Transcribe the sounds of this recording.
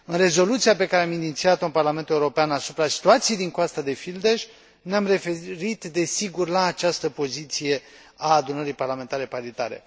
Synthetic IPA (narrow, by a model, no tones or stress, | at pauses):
ɨnre̞zo̞lut̪sijape̞kaɾeaminit̪siat̪ounparlame̞nt̪e̞uɾo̞peanasupɾasi̥t̪uat̪sijejd̪iŋkoast̪ad̪e̞fild̪eʃʲ | neamre̞feɾit̪d̪e̞siɡurlaːt͡ʃast̪əpo̞zit̪sije̞ | aːd̪unəɾijparlame̞nt̪aɾe̞paɾit̪aɾe̞̰